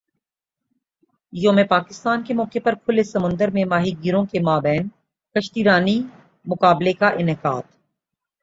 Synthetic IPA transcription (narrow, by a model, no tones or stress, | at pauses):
jõmẽpaːkɪst̪aːnkemɔːkepɐɾkʰʊlesɐmə̃nd̪əɾmẽmaːɦiɡiɾõkemaːbɛːn | kɐʃt̪iːɾaːni | mʊkaːblekaʔɪnɪka̰ːd̪